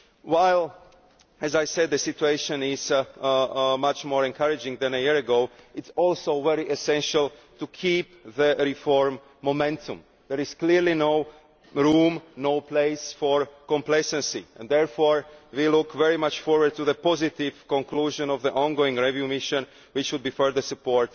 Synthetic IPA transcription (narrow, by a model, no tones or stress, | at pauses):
waɪlˠ | ɛzajsɛd̪̚ðəsɪtueɪʃə̃nɪz | mat͡ʃmɔːɹɛ̃nkʰaɹɪd͡ʒɪ̃ŋðɛ̃nəjiɹəɡoʊɪtsɔlˠsoʊvɛɹiʔɛsɛ̃nʃəltukʰiːp̚ðəɹifɔɹmː | omɛ̃ntʰṵ̃m | ðɛɹɪz̥kliɾlinoʊ | ɾũːmnoʊpleɪsfɔɹkɔ̃mpleɪsɛ̃nsiɛ̃nd̪dɛɹfoːɹwilukvɛɹimat͡ʃfɔɹwə˞d̪̚tuðəpɔzɪt̪ɪvkɔ̃ŋkluːʒɔ̃nɔvðiʔɔ̃nɡoɪ̃ŋɡɹɛvjumɪʃə̃n | wɪt͡ʃwud̪̚biːfɜ˞ðə˞supɔɹt